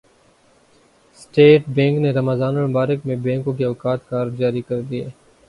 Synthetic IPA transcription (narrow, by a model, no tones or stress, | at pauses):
sʈeːʈbɛ̃ːŋkneɾɐməzaːnombaːɾɪkmẽbẽːŋkõkeɔːkaːt̪kaːɾd͡ʒaːɾikɐɾd̪ieː